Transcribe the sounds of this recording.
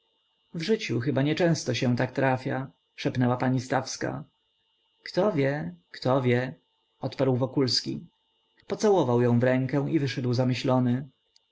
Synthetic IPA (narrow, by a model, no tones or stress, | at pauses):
vʐɘt͡ɕuxɘbaɲɛt͡ʂɛ̃w̃st̪ɔɕɛ̃t̪ak̚t̪ɾʔafʲja | ʂɛpnɛwapaɲist̪afska̰ | kt̪ɔvʲjɛkt̪ɔvʲjɛ | ɔt̪paɾwvɔkulskʲḭ | pɔt̪sawɔvawjɔ̃w̃vɾɛ̃ŋkɛw̃ivɘʂɛd̪wzamɘɕlɔnɘ